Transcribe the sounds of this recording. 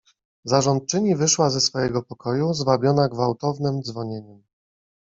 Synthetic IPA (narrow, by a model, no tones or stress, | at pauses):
zaʐɔnt̪̚t͡ʂɘɲivɘʂwazɛsfɔjɛɡɔpɔkɔjuzvabʲjɔnaɡvawt̪ɔvnɘmd̪zvɔɲeɲɛm